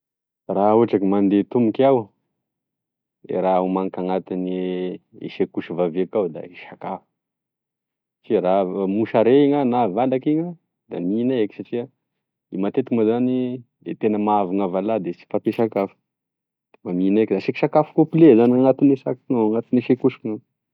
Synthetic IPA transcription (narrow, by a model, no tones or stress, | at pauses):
rauʈ͡ʂakimand̪et̪umikaw | ḛɾaumaŋkaŋat̪ineḛʃekuʃəvavekawd̪a̰iʃakafu̥ | saʈ͡ʂiɾamuʃaɾeŋanavalakiɲə | d̪aminaeki̥saʈ͡ʂia | imat̪et̪ikmazani | ḛt̪enəmaavaŋavalad̪et͡si̥fat̪eʃakafu̥ | d̪̥emaminekd̪aʃiki̥ʃakafu̥kopilezaniaŋat̪inesakinaaŋat̪ineʃekuʃi̥ŋa